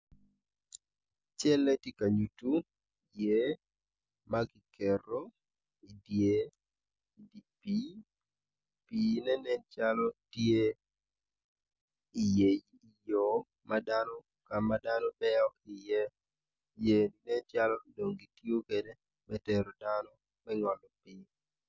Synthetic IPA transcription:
t͡ʃɛ˦lːɛ˦ti˦ka˨ɲu˨tu˦ | je˦ | maɡɪ˨kɛro | i˨dje˦ | i˨di˨pi | pi˨nɛ˦nɛ˦nt͡ʃalɔtje˦ | i˨je˨j | i˨jɔ˨ | madanɔ | ka˨ma˦danɔ˦bɛɔɪ˨jɛ | je˨dinɛ˦t͡ʃalɔdo˨ŋɡi˨tjo˦kede | mɛ˦tɛɾɔ˨danɔ | mɛŋɔ˨lɔ˨pi

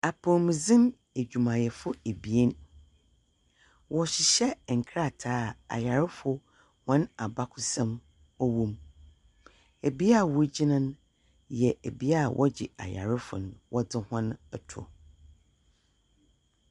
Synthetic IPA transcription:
a˨pʰɔ˨mĩ˨zɪ̃˦m | e˨d͡ʑᶣu˨mã˨jɛ˨fʊ˦e˨bi˨e˦n | wɔ˨ɕɪ˨ɕɛ˦˨ŋ̩˨kʰɾa˦˨tʰaː˦˨a̰˨ja˨ɾɪ˦fʊ˦ | hɔ̃˦na˨ba˦kʰʊ˦sɛ̃˦m | ɔ˦wũ˦m | e˨bi˦a˦˨wʊ˦d͡ʑi˦nã˦n˦ | jɛ˨ʔe˨bi˦a˦˨wʔɔ˦d͡ʑɪ̰˨a̰˨ja̰˨ɾɪ˦fʊ̰˨nʊ̃˨wʔɔ˦dɪ˦hã˦nɛ˨tʰʊ̰˨

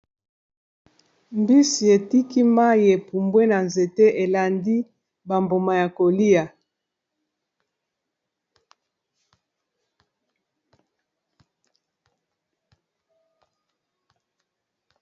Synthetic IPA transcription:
mbi˦si˨e˨ti˦ki˦ma˦je˨pu˨mbwe˦na˨nze˨te˦ʔe˨la˨ndi˦ | ba˨mbo˨ma˨ja˨ko˨li˦a˨

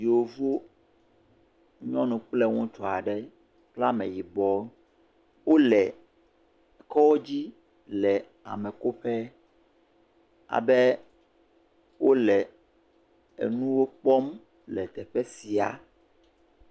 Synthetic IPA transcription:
ji˨wo˨vo˦ | ɲɔ̃˦nũ˨k͡plɛ˦ŋɔ̃˦t͡ʃɔ˨a˨ɖɛ˦ | k͡pla˦mɛ̰̃˨ji˨bɔ˨˦ | wo˦lɛ˨ | kɔ˦wo˦d͡ʑi˦ | lɛ˨ | a̰˨mɛ˨ko˦ɸɛ˦ | a̰˨bɛ˦ | wʔo˦lɛ˨ | ḛ˨nũ˦wo˦k͡pɔ˦m | lɛ˨t̪ɛ˨ɸɛ˦si˨a̰˨

